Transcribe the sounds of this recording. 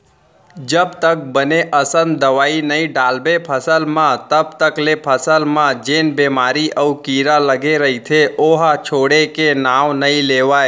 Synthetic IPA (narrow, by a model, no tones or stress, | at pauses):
d͡ʒəbt̪ək̚bəneʔəsə̃nd̪əʋaːinəĩɖaːlbepʰəsəlmãt̪əb̚t̪əklepʰəsəlmãd͡ʒeːnbemaːɾiʔəukiɾaləɡeɾəɦit̪ʰeoɦat͡ʃʰoːɽekenaʋnəĩleʋae